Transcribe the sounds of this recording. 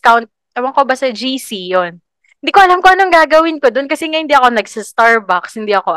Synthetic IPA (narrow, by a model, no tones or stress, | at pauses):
kawnt̪̚ | ʔɐwɐŋkobɐsɐd͡ʒiːsijon | hɪnd̪ikoʔɐlamkoʔɐnoŋɡaːɡɐwɪnkod̪onkɐsɛŋahɪnd̪iɐko̞nɐɡsɐst̪aɹbakshɪnd̪iʔɐko̞